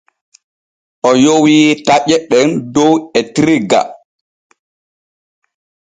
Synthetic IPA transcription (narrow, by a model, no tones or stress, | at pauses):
ʔɔjowitaʔɛɗɛndɔwɛtɾiɡa̰